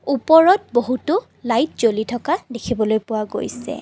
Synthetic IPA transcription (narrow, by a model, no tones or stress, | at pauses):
upɔɹɔt̚boɦutʊ | lajt̚zolitʰɔkadekʰibɔlojpʊwaɡo̰jsɛ̰